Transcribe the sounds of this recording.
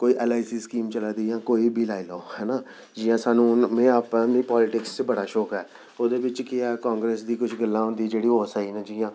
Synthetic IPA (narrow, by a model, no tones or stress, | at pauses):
koːiːʔɛːlaːisiːskiːmt͡ʃəlaːd̪iːjãːkoːiːbʱiːlaːiloːhɛːnaː | d͡ʒiːjãːsaːnũːmẽːaːpãːmĩːpɔːlɪʈɪkst͡ʃbəɽaːʃɔːkɦɛː | oːd̪eːbɪt͡ʃkɪaːkãːŋɡɾeːsd̪iːkʊt͡ʃʰɡəlːãːɦʊ̃nd̪iːd͡ʒeːɽiːɦoːsaːiːnɛ̃ːd͡ʒiːjãː